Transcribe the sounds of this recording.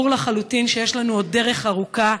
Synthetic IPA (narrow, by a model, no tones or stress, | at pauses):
uʁlaχalutinʃejeʃlanuo̞d̚ːe̞ʁe̞χaʁuka